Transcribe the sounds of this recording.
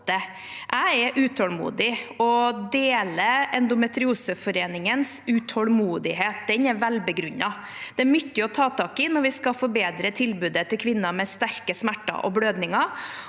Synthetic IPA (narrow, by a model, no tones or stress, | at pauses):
ə | ʔæɪɛɾʔʉːt̪ʰɔlmṵːd̪ɪɔd̪eːləɛnd̪ʊmɛt̪ɾɪuːsəfɔɾeːnɪŋənsʉt̪ʰɔlmuːd̪ɪɦeːt̪̚d̪ɛnɛɾʋælbəɡɾʉɲːɑ | d̪̥ɛæɾmʏtːəɔt̪ʰɑːt̪ʰɑːkɪnɔɾʋɪskɑfɔɾbeːd̪ɾət̪ʰɪlbʉːd̪ət̪ɪlkʰʋɪnːɑmɛst̪æɾkəsmæʈːɑ̰ʔɔ̰bløːd̪nɪŋɑɾ